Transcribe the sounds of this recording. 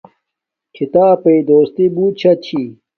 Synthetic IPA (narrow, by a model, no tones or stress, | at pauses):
kʰit̪aːpeid̪oːst̪ibuːt͡ɕʰɐt͡ɕʰi